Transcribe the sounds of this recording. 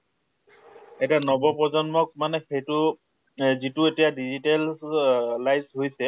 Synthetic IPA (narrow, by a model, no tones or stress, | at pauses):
ɛtanɔbɔpɔzɔnmɔk̚manɛxejtʊ | zitʊetijadizital | lajsɦojsɛ